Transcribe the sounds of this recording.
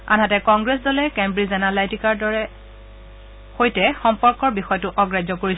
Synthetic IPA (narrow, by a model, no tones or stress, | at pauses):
a̰nɦatɛkɔŋɡɹesdɔlɛkɛmbɹizanalajtikaɹdɔɹɛ | xojtɛxɔmpɔɹkɔɹbixɔjɔtʊʔɔɡɹajzɔkoɹis